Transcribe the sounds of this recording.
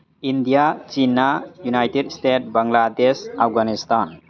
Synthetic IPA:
indijat͡ʃinːajunajtedstet̚baŋladesapɡanistan

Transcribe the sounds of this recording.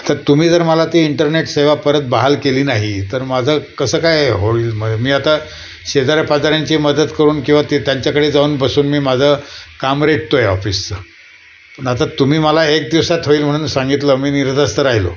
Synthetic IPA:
t̪əɾt̪um̤iːd͡zəɾməlat̪iːiɳʈəɾneʈseʋapəɾət̪̚baɦalkeliːnaɦit̪əɾmad͡zʱəːkəsəːkajɦoiːlməmiːat̪a | ɕed̪aɾjpad͡zaɾjaɲt͡ɕiːməd̪əd̪kəɾuːnkĩw̃ʋat̪et̪jaɲt͡ɕjakəɽed͡zauːnbəsuːnmiːmad͡zʱəːkamɾeʈ̚t̪ojeɔfist͡sə | pəɳat̪at̪um̤iːməlaek̚d̪iʋsat̪ɦoiːlm̤əɽ̃uːnsaŋɡit̪ləmiːniɾd͡z̪ast̪əɾaɦjlo̰

